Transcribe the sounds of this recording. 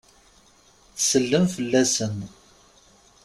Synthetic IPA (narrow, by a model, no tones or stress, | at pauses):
θsəlːəmfəlːæsən